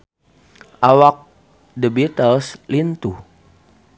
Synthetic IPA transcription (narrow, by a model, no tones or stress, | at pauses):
ʔawak̚ | dəbit̪əlslint̪u